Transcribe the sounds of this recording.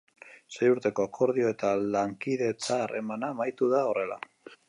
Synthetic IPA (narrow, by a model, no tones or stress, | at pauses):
se̞juɾt̪e̞koakʰo̞ɾðio̞e̞t̪alaŋkið̞e̞t͡saːre̞̰manamajt̪uðao̞re̞la̰